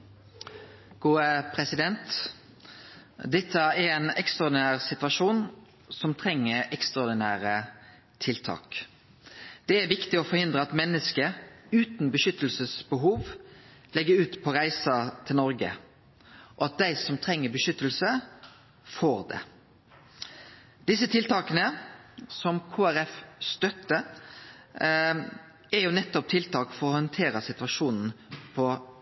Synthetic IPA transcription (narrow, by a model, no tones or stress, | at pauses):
ɡ̥uːəpʰɾɛsɪd̪ɛnt̪ | d̪ɛt̪ʰːəɛɾɛɪnɛkst̪ʁɑɔd̪ɪnæːʁsɪt̪ʋɑʃuːn | sɔmt̪ʰʁɛŋːəɛkst̪ʁɑɔd̪ɪnæːɾə | t̪ʰɪlt̪ʰɑ̰ːk | d̪̥ɛæɾʋɪkt̪ɪɔfɔɾhɪnd̪ʁəɑt̪mɛnːəskəʉːt̪n̩bəʃʏt̪ːəl̩səsbəɦuːʋ | lɛɡəɾʉːt̪pʰɔʁæɪsɑt̪ʰɪlnɔɾɡə̰ | ʔɔɑt̪̚d̪æɪsɔmt̪ʰʁɛŋːəbəʃʏt̪ːəlsə | foːɾd̪ɛ̰ | d̪̥ɪsːət̪ʰɪlt̪ʰɑːkənəsɔmkʰuːæɾɛfst̪œt̪ːə | ɛɾjʊnɛt̪ːɔp̚t̪ʰɪlt̪ʰɑːkfɔɾɔhɔnt̪ʰeːɾɑsɪt̪ʉɑʃuːnn̩pʰɔ